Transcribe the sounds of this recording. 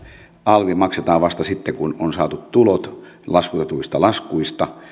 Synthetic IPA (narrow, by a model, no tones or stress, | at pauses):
ʔɑlʋimɑkset̪ɑːʋʋɑst̪ɑsit̪ːekunonsɑ̰ːt̪ut̪t̪ulot̪lɑskut̪et̪uist̪ɑlɑskuist̪ɑ